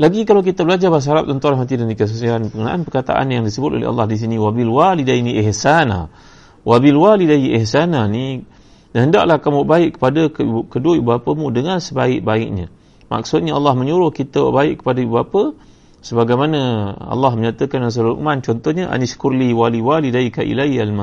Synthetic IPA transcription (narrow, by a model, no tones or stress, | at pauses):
laɡikalawk̬it̪əbəlad͡ʒabas̬ɦaɾap̚t̪unt̪ʊɾaɦmat̪̬idandikəs̬usianpəkənãʔanpərkat̪a̰ʔa̰njaŋdisəbʊt̪o̰lḛɦa̰lːɑhdis̬iniwabilwalidainiʔɪhsana̰ | wʔabilwalidaiʔihsanani | nəɦənda̰ʔlahkamuʔbaɪʔkːə̥padakkədoʔibəapəmũdəŋansəbaɪʔ̚baɪʔ̚ɲã | ma̰k̚sʊt̪̚ɲaalːahməɲuɾʊhkit̪əwa̰ʔbaɪʔkːə̥padaibapə | səbaɡajmanəa̰lːahməɲat̪əkanans̬əluɾʔṵmant͡ʃɔnt̪ɔhɲəʔa̰nisə̥kurliwaliwalidaikaʔḭlaialma